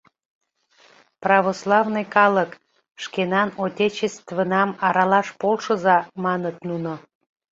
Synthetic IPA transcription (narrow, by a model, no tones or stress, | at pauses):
prɑβoslˠɑvnojkɑlək | ʃkenɑnotʲet͡ɕest̪vənɑmɑɾɑlɑʃpolˠʃəzɑmɑnət̪nuno